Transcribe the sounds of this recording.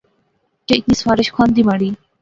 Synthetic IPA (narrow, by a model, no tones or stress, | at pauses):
t͡ʃeɪk̪niːsfaːɾɪʃkʰaːnd̪iːmaːɽiː